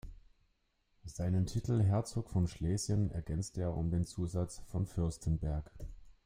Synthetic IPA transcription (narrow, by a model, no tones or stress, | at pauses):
z̥aɪnəntʰitʰl̩ɦɛɐt͡soːkfɔnʃlɛːzjənɛ̰ɐɡɛnt͡steːɐʊ̰mdeːnt͡suːzat͡sfɔnfʏɐstʰənbɛɐk